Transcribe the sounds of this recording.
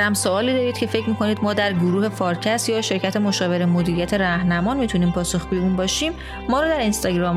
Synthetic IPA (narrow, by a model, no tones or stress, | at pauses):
æmsoɒːliːd̪ɒːɾiːd̪̥̚cʰe̞fe̞cʰmiːkʰo̞niːd̪mɒːd̪æɾɡoɾuːhe̞fɒːɾcʰæsjɒːʃe̞ɾcʰæt̪ʰemoʃɒːve̞ɾemod̪iːɾijæt̪ʰe̞ɾæhnæmɒːnmiːt̪ʰuniːmpʰɒːsoxɡujeuːnbɒːʃiːmː | ɒːɾɔːd̪æɾinst̪ɒɡɾɒːm